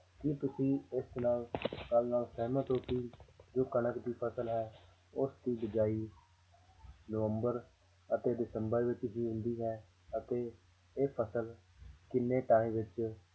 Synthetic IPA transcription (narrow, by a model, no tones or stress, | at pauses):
kɪt̪ʊsĩːɪsnaːlkəlnaːlsɛːmãːt̪oːpiːd͡ʒoːkənəkd̪iːpʰəsəlɦɛː | ʊsd̪iːbɪd͡ʒaːiː | nəʋəmbəɾ | ət̪eːd̪ɪsəmbəɾʋɪt͡ʃɦiːɦʊ̃nd̪iːɦɛː | ət̪eː | eːpʰəsəl | kɪnːeːʈaːĩʋɪt͡ʃ